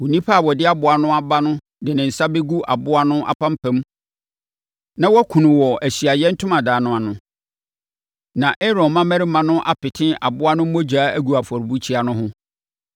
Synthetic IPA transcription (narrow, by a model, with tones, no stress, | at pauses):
wu˨nĩ˦pʰa˦˨wɔ˨dɪ˦a˦bʊ˨a˨nʊ̃˦a˨ba˦nʊ̃˦ | dɪ˨nɪ̃˨n̩˨sa˦be˦ɡu˦ʔa̰˨bʊ˦a˦nʊ̃˦ʔa̰˨pʰã˦m˦pʰæ̃˦m˦ | nã˦wɔ˦kʰũ˨nʊ̃˨wɔ˨æ˨ɕi˨a˨jɛ̃˦n̩˦tʰʊ̃˦mã˨daː˨˦nʊ̃˦a˨nʊ̃˦ | nã˨ʔɛ˦ɾɔ̃˨nmːã˦mæ̃˦ɾɪ˦mã˨nʊ̃˦ʔa˦pɪ˨tʰɪ̃˦ʔa˨bʊ˦a˦nʊ̃˦m̩˦mo˦d͡ʑᶣaː˦æ˦ɡu˨a˨fɔ˨ɾbu˦t͡ɕʰi˦a˨nʊ̃˦ɦʊ̃˦